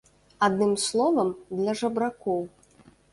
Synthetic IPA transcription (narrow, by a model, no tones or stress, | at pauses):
ad̪nɨmslˠɔvɐmd̪lʲɐʐɐbɾakɔw